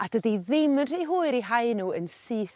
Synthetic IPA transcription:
adədiðɪmənr̥iːɦuːɨɾiɦaɨnuːənsɨːθ

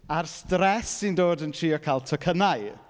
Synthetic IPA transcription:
arstrɛsːindoːdəntʰriːɔkʰaːlˠtʰɔkʰənaj

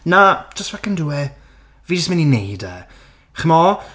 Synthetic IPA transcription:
nḁd͡ʒ̥əstvakənduɛ | viːd͡ʒəsmɛninejdɛ | χəmɔ

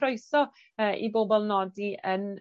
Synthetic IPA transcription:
ɾojθɔ | əːʔḭboːbɔlˠnɔdiʔən

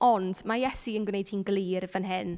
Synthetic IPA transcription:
ɔnd̥majɛsiənɡwnejd̥hiːnɡliːrvənɦɪn

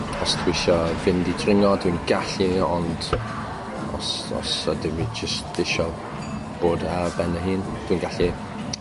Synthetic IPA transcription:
ɔstʰwɪʃɔvɪndidʰrɪŋɔdwinɡaɬiɔnd̥ | ɔ̰sɔ̰sədɪmid͡ʒəstɪʃɔ | b̥oːdabɛnəɦiːnd̥wiːnɡaɬi

